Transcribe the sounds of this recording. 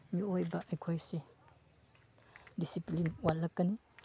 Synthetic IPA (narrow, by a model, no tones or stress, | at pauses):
miojbɐʔɐjkʰojsi | disiplinuwalːɐkːɐni